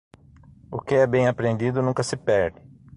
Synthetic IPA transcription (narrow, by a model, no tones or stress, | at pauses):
ʊkɪɛbẽj̃apɾẽnd̪id̪ʊnũkɐsɪpɛɾd̪ɪ